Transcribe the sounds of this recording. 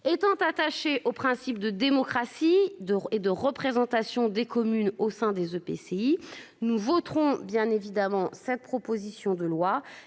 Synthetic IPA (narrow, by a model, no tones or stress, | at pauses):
et̪ɑ̃t̪at̪aʃeʔopχɛ̃sip̚d̪əd̪emɔkχasiəed̪əʁəpχezɑ̃t̪asjɔ̃d̪ekɔmynosɛ̃d̪ezøpḛsei | nuvɔt̪χɔ̃bjɛ̃nevid̪amɑ̃sɛt̪̚pχɔpozisjɔ̃d̪əlwa